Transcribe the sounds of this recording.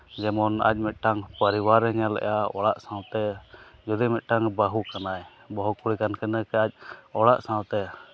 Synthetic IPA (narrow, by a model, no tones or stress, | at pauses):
d͡ʒɛmɔna̰c̚ˀmɛt̪̚ʈaŋpəɾiwaɾɛɲalɛ̰ʔjaɔ̰ɽaʔsãwt̪ɛd͡ʒud̪imɛt̪̚ˀʈaŋbaɦukanaj | bɔɦukuɽikankɛnəkɛac̚ˀɔɽaʔsãwt̪ɛ